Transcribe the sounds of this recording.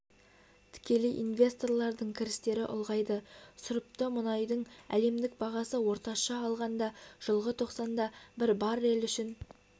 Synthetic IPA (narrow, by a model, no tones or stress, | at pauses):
t̪ʰɪ̥kʲe̞lɪʔinvʲe̞st̪o̞rlˠɑɾd̪əɴkʲʰɪɾɪst̪e̞ɾɪʔʊ̰lˠʁɑjd̪əsʊɾəp̚t̪əmʊnɑjd̪əɴæ̰le̞md̪ɪk̚bɑʁɑsəwo̞ɾt̪ɑʃɑːlˠʁɑnd̪ɑʒ̥əlˠʁət̪ʰo̞qsɑnd̪ɑbɪɾbɑɾe̞lʏʃɪn